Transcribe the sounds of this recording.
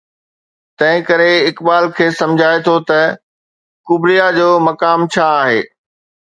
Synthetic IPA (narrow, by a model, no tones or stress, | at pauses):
t̪ɐ̃ɦɪ̃kɐɾeɪkbaːlkʰeːsɐ̃md͡ʑʱaːet̪ʰot̪ɐ | kʊbɾijad͡ʑoːmɐkaːmt͡ɕʰaːɦḛː